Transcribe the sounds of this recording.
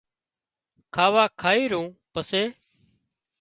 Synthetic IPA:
kʰaːʋaːkʰaːiːɾũːpəseː

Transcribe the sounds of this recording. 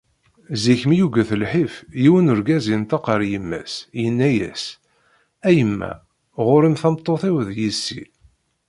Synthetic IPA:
ziçəmjuɡæθəlħifjiwənʊɾɡæzint̪ɑqəɾˤjəmːæ̰sjənːæjæ̰s | æjəmːæ̰ | ʁʊɾimθɑmt̪ˤːoθiwðjisːḭ

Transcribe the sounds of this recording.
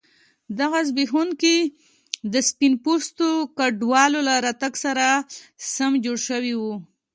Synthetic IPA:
d̪aɣazbixunke | d̪əspinpost̪okaɖwɑlolaɾat̪aɡsaɾasamd͡ʒoɽʃəwiwu

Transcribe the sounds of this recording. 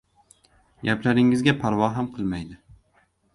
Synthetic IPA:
ɡʲaplaɾɪŋɪzɡʲapʰaɾvɒɦamqʰɨlˠmajd̪ɪ

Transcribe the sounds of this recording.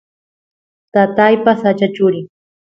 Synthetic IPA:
t̪at̪ajpasat͡ʃat͡ʃʊɾɪŋ

